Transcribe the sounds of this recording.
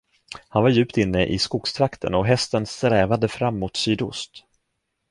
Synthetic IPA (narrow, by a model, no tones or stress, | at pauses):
hanvaɾjʉ̟ːpt̪ɪnːəʔɪskʊkst̪ʰɾakt̪ʰə̰nɔɦɛst̪ənst̪ɾɛːvad̪əfɾamːʊt̪syːd̪ʊst̪